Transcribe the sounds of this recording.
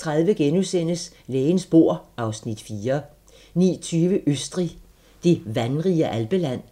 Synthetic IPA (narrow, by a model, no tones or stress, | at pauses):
t͡sʰʁaðˠʋəɡ̥enusen̰əs | leːnsb̥o̝ɐ̰ʔɑ̈ʊsnid̥fiːɐ | nḭːt͡sʰyːʋəʔøsd̥ʁi | d̥e̝ʋænʁiəʔælb̥əlæn̰